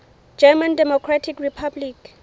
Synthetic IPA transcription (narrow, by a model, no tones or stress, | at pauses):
d͡ʒɛmãndɛmɔkʰɹatʰikripʰablik